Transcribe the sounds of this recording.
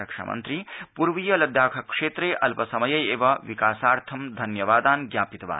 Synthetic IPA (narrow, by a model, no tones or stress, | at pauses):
ɐkʂɐ̰mɐ̰nt̪ɾipuɾʋijɐlɐd̪jaːkʰɐkʂeːt̪ɾeːʔɐlpɐsɐmɐjɐjeːʋɐʋikaːsaːɾt̪ʰɐmd̪ʱɐnjɐʋaːd̪aːnɡjaːpit̪ɐʋa̰ː